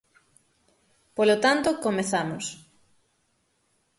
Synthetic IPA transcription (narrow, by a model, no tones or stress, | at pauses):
polot̪ant̪okomeθamos